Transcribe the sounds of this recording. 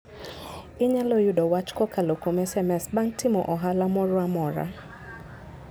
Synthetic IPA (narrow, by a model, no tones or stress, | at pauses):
ɪɲɛlojudɔwat͡ʃkɔkalokomɛsɛmɛsbaŋ̩timɔʔɔɦalamɔɾʊamɔɾa̰